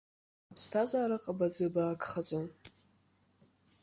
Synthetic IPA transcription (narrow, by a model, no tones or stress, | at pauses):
apʰstʰazaːɾaqʼabad͡zɨbaːkʰʼχad͡zʷʼom